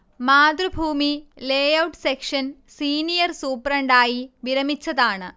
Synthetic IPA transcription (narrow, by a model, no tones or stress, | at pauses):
maːd̪rɨbʱuːmileːjɐwʈsekʂɐn | siːnijɐrsuːprɐɳɖaːjiʋiɾɐmit͡ɕːɐðaːɳɨ